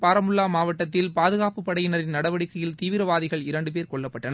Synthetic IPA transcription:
paːɾɐmʊlːaːmaːʋɐʈːɐt̪̬ːɪlpaːðɯɣaːpɯpɐɽɐjɪnɐɾɪnnɐɽɐʋɐɽɪkːɐjɪlt̪iːʋɪɾɐʋaːðɪɣɐɭɪɾɐɳɖɯp̬eːɾkɔɭːɐpːɐʈːɐnɐ

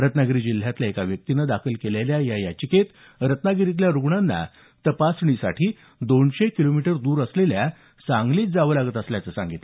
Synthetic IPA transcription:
ɾət̪naɡɾiːd͡ʑil̤ːjat̪laekaʋjək̚t̪inəd̪akʰəlkeleljajajat͡ɕəket̪ | ɾət̪naɡɾit̪̬ljaɾuɡɳanːa̰ | t̪əpasɳ̃isa̰ʈʰiː | d̪oɳɕekilomiʈəɾd̪uːɾəslelja | t͡saŋɡliːt̪̚d͡zaʋəlaɡət̪əsljat͡səsa̰ŋɡit̪a

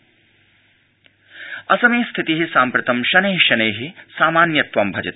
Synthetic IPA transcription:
ɐsɐmeːst̪ʰit̪iɦisaːmpɾɐt̪ɐmʃɐneːɦiʃɐneːɦisaːmaːnjɐt̪ʋɐmbʱɐd͡ʒɐt̪

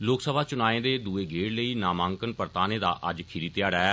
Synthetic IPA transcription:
loːksəbʱaːt͡ʃʊnaːẽːd̪eːd̪uːeːɡeːɽləiːnaːmãːŋkənpəɾt̪aːneːd̪a̰ːʔəd͡ʒkʰɪɾiːt̪jaːɽaɛː

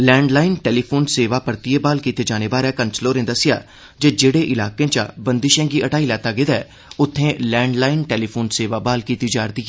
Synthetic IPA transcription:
lɛ̃ːɳɖlaːɪnʈɛːliːpʰoːnseːʋaːpəɾt̪ɪjeːbaːlkiːt̪eːd͡ʒaːneːbaːɾɛːkənt͡ʃloːɾẽːd̪əsɪja̰ː | d͡ʒeːd͡ʒeːɽeːʔɪlaːkẽːt͡ʃa̰ːbənd̪ɪʃɛ̃ːɡiːʔəʈaːilɛːt̪aːɡeːd̪ɛː | ʊt̪ʰːẽːlɛ̃ːɳɖlaːɪnʈeːliːpʰoːnseːʋaːbaːlkiːt̪id͡ʒaːɾd̪iːɛː

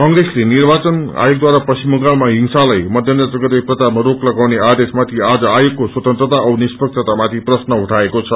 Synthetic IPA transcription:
kʌŋɡɾeslenirbat͡sʌna̰jok̚d̪waɾapʌsimʌŋɡaɭmaɦiŋsalajmʌd̪ʱjʌnd̪ʌd͡zʌɡʌt̪eprʌt͡samaɾoklʌɡawnead̪esmat̪ʰiad͡zʌajokːoswʌt̪ʌnt̪rət̪aʌbnispʌk̚t͡ʃʰʌt̪amat̪ʰiprʌsnʌɦuʈʰaekot͡sʰʌ

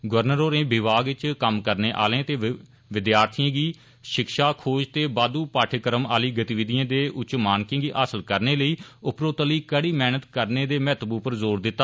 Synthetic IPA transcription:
ɡʊəɾnəɾoːɾẽːbɪʋaːɡɪt͡ʃkəmkəɾneːʔa̰ːlẽːt̪eː | ʋɪd̪jaːɾt̪ʰijãːɡiː | ʃɪkʃaːkʰoːd͡ʒt̪eːbaːd̪uːpaːʈʰəkəɾəmaːliːɡət̪iːʋɪd̪ijãːd̪eːʔʊt͡ʃmaːnkɪ̃ːɡiːʔaːsəlkəɾneːləiːʊpɾoːt̪əliːkəɽiːmɛːnət̪kəɾneːd̪eːmɛːt̪əbuːpəɾzoːɾd̪ɪt̪ːaː

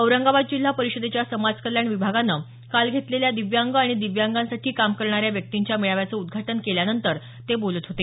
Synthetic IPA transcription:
əwɾəŋɡabad̪̚d͡ʑil̤ːapəɾiɕəd̪et͡ɕjasəmad͡zkəlːjaɳʋibʱaɡanːə | kalɡʱet̪leljad̪iʋjaŋɡaɽ̃id̪iʋjaŋɡansaʈʰiːkamkəɾɳaɾjaʋjək̚t̪iɲt͡ɕjamiɭaʋjat͡səːud̪̚ɡʱaʈənkeljanənt̪əɾ | t̪ebolət̪ɦot̪e

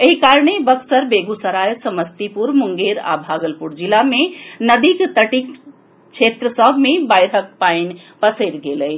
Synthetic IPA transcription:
eɦikaɾɳebəksəɾbeɡusəɾajsəməst̪ipuɾmuŋɡeɾa̰bʱaːɡəlpuɾd͡ʒilamenəd̪ikt̪əʈik | t͡ʃʰet̪ɾəsəbʱmebajɾʱək̚paɪn | pəsəɪɾɡeləɪ

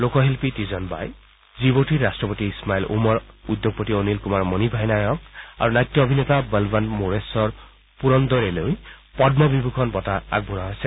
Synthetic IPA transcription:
lokɔɦelpitizɔnba̰j | zibotiɹastɹɔpotiːsmailʔṵmɔɹud̪ːjoɡ̚pɔtionilkumaɹmɔnibʱajnajɔk̚a̰ɹunajt̪jɔobʱinet̪abəlbanmoɹesɔɹ | puɹɔnd̪ɔɹelojpɔdnɔbibʱukʰɔnbɔtaa̰ɡ̚bunaɦojsɛ

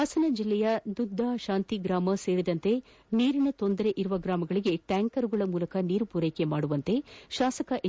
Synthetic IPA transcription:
ɐsɐnɐd͡ʒilːɛjɐd̪ud̪ʱːaːʃaːnt̪iɡɾaːmɐse̞ːɾid̪ɐnt̪e̞ | niːɾinɐt̪o̞nd̪ɐɾe̞ʔiɾuʋɐɡɾaːmɐɡɐɭiɡe̞ʈaːŋkɐɾuɡɐɭɐmuːlɐkɐniːɾupuːɾejke̞maːɽuʋɐnt̪e̞ʃaːsɐkɐʔ

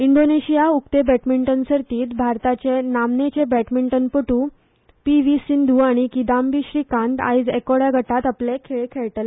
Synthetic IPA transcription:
iɳɖoneɕijaukt̪ebɛʈmiɳʈənsəɾt̪iːt̪bʱaɾt̪at͡ɕenamnet͡ɕebɛʈmiɳʈənpəʈu | piʋisind̪ʱuaɽ̃ikid̪ambiɕɾiːkãnt̪a̰jd͡zekoɽjaɡʱəʈat̪aplekʰeɭekʰeɭʈəl

